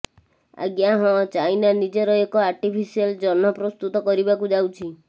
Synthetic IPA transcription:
a̰ɡjaɦɔ̃t͡ʃajnanid͡ʒɔɾɔekɔaɾʈipʰisiɔld͡ʒɔnɔpɾɔst̪ut̪ɔkɔɾibakud͡ʒawt͡ʃʰi

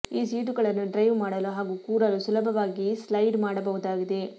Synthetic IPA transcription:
iːsiːʈ̬uɡɐɭɐnːuɖɾɐjʋmaːɽɐluɦaːɡuːkuːɾɐlusulɐbʱɐʋaːɡislɐjɖmaːɽɐbɐɣud̪aːɡid̪e

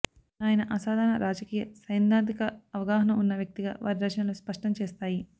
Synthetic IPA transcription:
aːjɐnɐʔɐsaːd̪ʱanɐɾaːd͡ʒɐkiːjɐ̰sɐjnd̪aːnt̪̬ikɐːʋɐɡaːɦɐnɐunːɐʋjɐk̚t̪iɡa̰ːʋʔa̰ːɾiɾɐʂɐnɐnluspɐʂʈɐmt͡ʃɛːst̪aːji

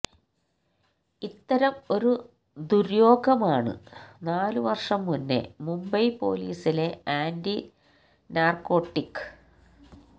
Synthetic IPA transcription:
it̪ːɐɾɐmo̞ɾu | d̪uɾjo̞ːɡɐmaːɳɨ̰naːluʋɐrʂɐmːunːḛmumbɐjpo̞̰ːlḭːsile̞aːndi | naːrko̞ːʈːikːɨ̥

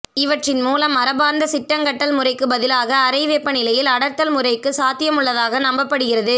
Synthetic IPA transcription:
ɪʋɐʈrɪnmuːlɐmɐɾɐbaːnd̪ɐsɪʈːɐŋkɐʈːɐlmʊrɐɪkːɯbɐðɪlaːɣɐːɾɐɪʋeːpːɐnɪlɐjɪlɐɽɐɾt̪ːɐlmʊrɐɪkːɯsaːt̪ːɪjɐmɯɭːɐðaːɣɐnɐmbɐpːɐɽɯɣɪrɐðɯ

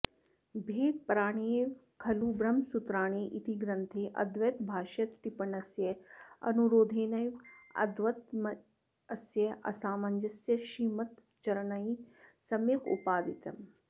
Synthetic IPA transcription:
bʱeːd̪̚pɐɾaːɳ̃e | kʰɐlubɾɐmsut̪ɾaːɳ̃eːʔit̪iɡɾɐnt̪ʰeːʔɐ̰d̪ʋɐt̪bʱaːʃɐt̪ʈipɐnɐsjɐɐ̰nuɾoːd̪ʱeːnɐjɐ̰d̪ʋɐt̪m | ɐsjɐɐ̰saːmɐɲd͡ʒɐsjɐʃiːmɐt̪ | t͡ʃɐɾɐɳɐjisɐmjɐkṵpaːd̪it̪ɐm

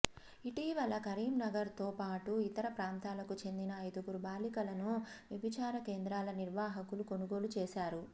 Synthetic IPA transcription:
iʈiʋɐlɐkɐɾiːmnɐɡɐɾt̪oːpaːʈuit̪ɐɾɐpɾaːnt̪aːlɐkut͡ʃe̞nd̪inɐːjd̪uɡuɾubaːlikɐlɐnu | ʋjɐbit͡ʃaːɾɐkeːnd̪ɾaːlɐniɾʋaːɦɐkuluko̞nuɡo̞ːlut͡ʃɛːʃaːɾu

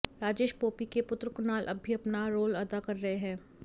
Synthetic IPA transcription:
ɾaːd͡ʒeːʃpoːpikepʊt̪ɾəkʊnaːlʔɐbʱiɐpnaɾoːlɐd̪akɐɾːɐɦeɦɛ̃ː

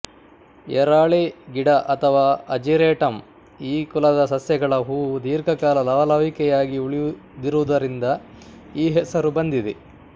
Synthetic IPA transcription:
ɛɾaːɭeɡiɽɐʔɐt̪ʰɐʋaːɐd͡ʒiɾeːʈɐm | iːkulɐd̪ɐsɐsjɐɡɐɭɐɦuːd̪iːɾkɐkaːlɐlɐʋɐlɐʋikɛjaːɡiuɭiju | d̪iɾuʋud̪ɐɾind̪ɐ | iːɦɛsɐɾubɐnd̪id̪e

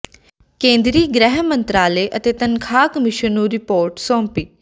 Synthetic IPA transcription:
kẽːnd̪ɾiːɡɾɛɦmːɐ̃nt̪ɾaːleʔɐt̪et̪ɐnkʰaːkəmɪʃənːũɾɪpoːɾʈsõːmpiː

